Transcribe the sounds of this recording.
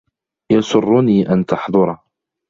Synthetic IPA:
jɑsʊrˤːʊniːʔant̪ɑħðˤʊɾˤ

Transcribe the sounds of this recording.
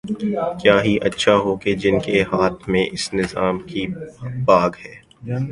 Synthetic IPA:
kjaːɦiʔɐtːʃʰaɦoːked͡ʒɪnkehaːt̪ʰmẽʔɪsnɪzaːmkibaːɡhɛː

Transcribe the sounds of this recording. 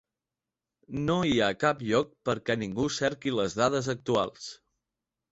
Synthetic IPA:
noiakapʎɔk̚pəɾkɛniŋɡusɛɾkiləzðaðəzək̚t̪ua̰lˠs

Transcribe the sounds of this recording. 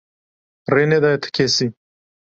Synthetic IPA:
ɾened̪ajt̪ʰḁkʰesi

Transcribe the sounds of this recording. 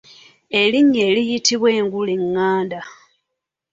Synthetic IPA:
e̞liɲːeːlijitʰiβwe̞ːŋɡuliŋːaːnda

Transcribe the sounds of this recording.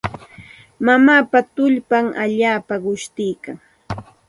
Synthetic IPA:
mamaːpat̪ʊʎpaŋʔaʎaːpaɢʊʃt̪ɪjkaŋ

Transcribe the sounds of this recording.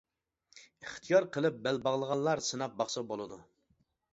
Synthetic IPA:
ɨχt̪ʰijɑɾqʰəlˠɨp̚bælbɑʁlˠəʁɑnlːˠɑɾsɨnɑp̚bɑχsɑbolˠɨd̪u

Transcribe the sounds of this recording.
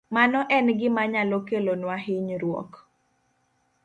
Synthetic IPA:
manɔʔɛnɡɪmaɲalokelonwaɦɪɲɾwɔ̰k

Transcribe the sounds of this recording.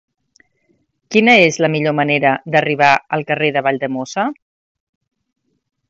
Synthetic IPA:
kinəezləmiʎoməneɾəd̪əriβ̞aəlˠkəreðəβ̞aʎd̪əmosə

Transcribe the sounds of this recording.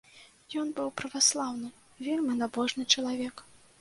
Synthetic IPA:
jɔnbɨwpɾɐvaslˠawnɨ | vʲelʲmʲinabɔʐnɨt͡ʂɐlˠavʲɛk

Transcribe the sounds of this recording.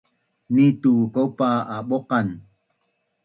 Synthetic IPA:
nitukopaaɓoqan

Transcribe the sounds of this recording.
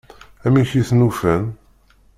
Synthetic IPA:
æmiçiθnufæn

